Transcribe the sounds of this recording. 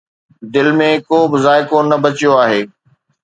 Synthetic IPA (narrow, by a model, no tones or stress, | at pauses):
d̪ɪlmẽkoːbɪzaːɪkonɐbɐt͡ɕijoaːɦeː